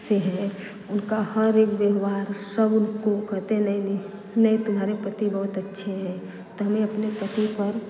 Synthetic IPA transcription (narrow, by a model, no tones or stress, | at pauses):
seɦɛ | ʊnkahəɾeːkʋjəɦʋaːɾsəbʊnkokəɦt̪enəin | nəĩt̪ʊmɦaːɾepɾət̪ibəɦʊt̪ətːʃʰeɦɛ | t̪oɦɐmẽɐpnepɾət̪ipəɾ